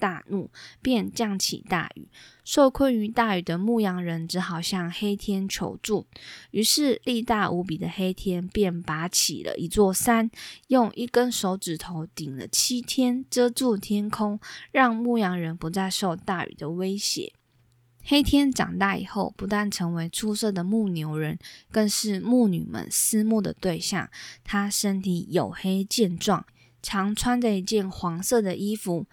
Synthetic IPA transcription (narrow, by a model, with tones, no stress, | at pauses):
t̪a˥˧nu˥˩pjɛ˥˧nt͡ɕjɑ˥˩ŋt͡ɕʰḭ˨˩t̪a̰˥˩y̰˨˩˦ʂo˥˧ʊkʰwə˥˩ny˧˥t̪a˥˩y˨˩d̪ə˦mu˥˩jɑ˧˥ŋɻə˧˦˥nʈ͡ʂɻ̩˧˥xɑ˨˩ʊɕjɑ˥˧ŋxe˥ɪt̪ʰjɛ˥nt͡ɕʰjo̰˧˥ʊʈ͡ʂu˥˩y˧˥ʂɻ̩˥˧li˥˧t̪a˥˩ʔu˧˥p̬i˨˩d̪ə˦xe˥ɪt̪ʰjɛ˥npjɛ˥˩npa˧˥t͡ɕʰḭ˨˩lə̰˦ʔi˧˥t͡swɔ˥˩sa˥njo˥˧ŋʔi˥˩kə˦nʂo˧˥ʊʈ͡ʂɻ̩˨˩t̪ʰo˧˦ʊt̪i˨˩ŋlə̰˦t͡ɕʰi˥t̪ʰjɛ˥nʈ͡ʂɤ˥ʈ͡ʂu˥˧t̪ʰjɛ˥nkʰʊ˥ŋɻɑ˥˧ŋmu˥˩jɑ˧˥ŋɻə˧˦˥npu˧˥t͡sa˥˧ɪʂo˥˧ʊt̪a˥˩y̰˨˩d̪ə˨we˥ɪɕjɛ̰˨˧˥ | xe˥ɪt̪ʰjɛ˥nʈ͡ʂɑ̰˨˩ŋt̪a˥˩ḭ˨˩xo˥˩ʊpu˧˥t̪a˥˩nʈ͡ʂʰɤ˧˥ŋwe˧˥ɪʈ͡ʂʰu˥sɤ˥˩d̪ə˩mu˥˩njo˧˥ʊɻə˧˦nkə˥˧nʂɻ̩˥˧mu˥˩ny̰˨˩mə̰˦nsɹ̩˥mu˥˩d̪ə̰˨˩t̪we˥˧ɪɕjɑ̰˥˩ŋt̪ʰa˥ʂə˥nt̪ʰi˨˩jo˨˩ʊxe˥ɪt͡ɕjɛ˥˧nʈ͡ʂwɑ̰˥˩ŋ | ʈ͡ʂʰɑ˧˥ŋʈ͡ʂʰwa˥ndə˨˧i˧˥t͡ɕjɛ˥˩nxwɑ˧˥ŋsɤ˥˩d̪ə˨ʔi˥fu˨˦